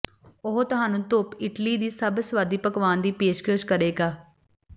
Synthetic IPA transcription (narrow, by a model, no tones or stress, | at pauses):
ʊɦt̪ʊɦaːnũːt̪ʊːpɪʈliːd̪iːsəbsʋaːd̪iːpəkʋaːnd̪iːpeːʃkəʃkəɾeːɡaː